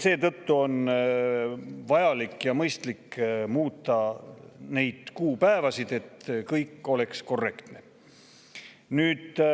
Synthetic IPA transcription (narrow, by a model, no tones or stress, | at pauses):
se̞ːt̪ɤt̪ːuo̞n | vɑjɑlikːjɑmɤjst̪likːmuːt̪ˑːɑ | ne̞jd̪̥kuːpæevɑsid̪̥e̞t̪kɤjkːˑo̞le̞ksko̞rːe̞kt̪ne̞ | nyːd̪